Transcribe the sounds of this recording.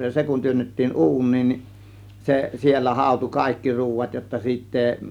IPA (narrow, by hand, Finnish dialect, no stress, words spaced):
jɑ se kun tyønːetːiːn u̞unˑiːn nin se sielːæ hɑˑo̝tu kɑˑe̝kːi ruːʋɑt jotːɑ siːtː eːĭ